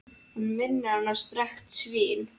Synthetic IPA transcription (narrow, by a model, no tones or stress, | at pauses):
hunmɪnːɪanːḁst̪ɾɛxt̪svɪːn